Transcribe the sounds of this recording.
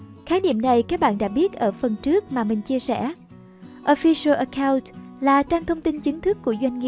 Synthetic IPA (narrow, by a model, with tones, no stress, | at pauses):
xaː˨˦nḭ˧˨əmna˨˩jkaː˦˥k̚ɓa̰ː˧˨nɗa̰ː˧˥ɓi˦˥ət̚ʔəː˧˩fə˨˩nt͡ɕɨ˦˥ək̚maː˨˩mï˨˩ŋ̟t͡ɕi˧əsɛ̰˧˩ | ʔo˧fi˧sə˧ʔə˧˩kaː˧wntlaː˨˩t͡ɕaː˧ŋt̪ʰə˧wŋ͡mt̪i˧nt͡ɕï˨˦ŋ̟t̪ʰɨ˦˥kːu˧˩əzwa˧jŋ̟ŋḭ˧˨